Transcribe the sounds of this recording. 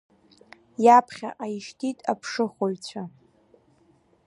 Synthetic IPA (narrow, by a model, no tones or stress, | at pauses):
japʰχʲa̰ʔajʃtʰitʼapʰʂɨχʷoɥt͡ɕʷʰa